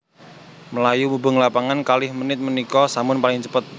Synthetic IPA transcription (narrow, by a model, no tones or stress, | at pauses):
məlajumubəŋlapaŋankalɪhmənɪt̪̚mənikɔsamʊnpalɪŋt͡ʃəpət̪̚